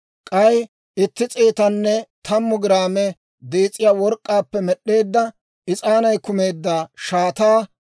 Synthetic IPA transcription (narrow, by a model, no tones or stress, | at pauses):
kʼɐj | ɪt̪ːɪt͡sʼeːt̪ɐnːɛt̪ʰɐmːʊɡɪɾaːmɛ | d̪eːt͡sʼːɪjaːwɔɾkʼːaːpːɛmɛɗːe̞ːd̪ːɐ | ʔɪt͡sʼaːnɐjkʊme̞ːd̪ːaːʃaːt̪aː